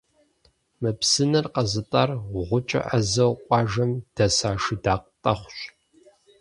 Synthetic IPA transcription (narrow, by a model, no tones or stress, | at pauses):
mɨpsɨnɨrqɐzɨtʼarʁʷʊt͡ʃʼɐ̰ʔɐzɐwqʷʼɑːʒɐmd̥ɐsaːʃɨdaːq̚tʼɐχʷɕʼ